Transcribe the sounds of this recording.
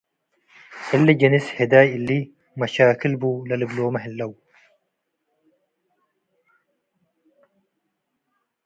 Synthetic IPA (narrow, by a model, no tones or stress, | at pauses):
ɪlːiɟɐnished̪aːjilːi | mɐʃaːkilbulɐlɪbloːmɐɦɪlːɐw